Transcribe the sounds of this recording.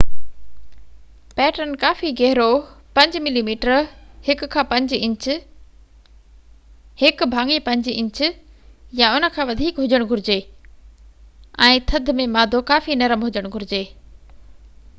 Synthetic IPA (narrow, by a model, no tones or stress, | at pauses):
pɛːʈənɪ̆kaːfiɡɛɦɪɾopɐ̃ɲd͡ʑmɪlimiːʈəɾhɪkkʰːãːpɐ̃ɲd͡ʑɪ̃ɲt͡ɕ | hɪk̆bʱaːŋipɐ̃ɲd͡ʑɪ̃ɲt͡ɕʊ̆jaʊnə̆kʰãːʋɐd̪ʱiːkɦʊd͡ʑəɽ̃ɡʱʊɾɪd͡ʑe | ɛ̃ːt̪ʰɐd̪ʱmẽmaːd̪ʱokaːfinɐɾəmɦʊd͡ʑəɽ̃ɡʱʊɾɪd͡ʑeː